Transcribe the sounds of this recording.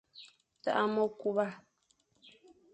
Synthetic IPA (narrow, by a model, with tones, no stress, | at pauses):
ta̰˦ʔa˦mɔ˦ku˦βa˦